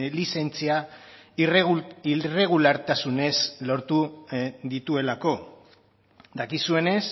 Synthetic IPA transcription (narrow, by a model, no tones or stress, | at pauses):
lise̞nt͡sia | ire̞ɣ̞ulaɾt̪asune̞slo̞ɾt̪uðit̪ue̞lako̞ | d̪akisue̞ne̞s